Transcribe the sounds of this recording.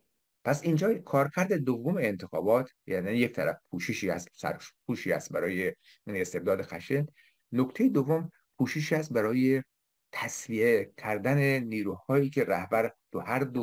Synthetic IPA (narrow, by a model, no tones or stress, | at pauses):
pʰæsind͡ʒɒːkʰɒːɾcʰæɾd̪ed̪ovːomeːnt̪ʰexɒ̰ːbɒːt̪ʰjæniijec̚t̪ʰæɾæ̰fpʰuːʃeʃiːhæ̰st̪sæ̰ɾpʰuːʃiːhæ̰st̪̚bæɾɒːje̞ | iːne̞st̪e̞b̚d̪ɒːd̪e̞xæʃen | nokt̪ʰejed̪ovːom | pʰuːʃeʃiːhæst̪̚bæɾɒːje | t̪ʰæsviekʲʰæɾd̪æneniːɾuːhɒːjiːkʰe̞ɾæhbæɾt̪ʰuhæɾd̪o